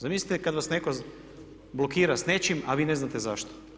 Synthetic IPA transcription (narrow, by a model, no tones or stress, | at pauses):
zamislit̪ekad̪ʋasneko | blokiːɾasne̞t͡ʃimaʋiːne̞znat̪ezaʃt̪o̥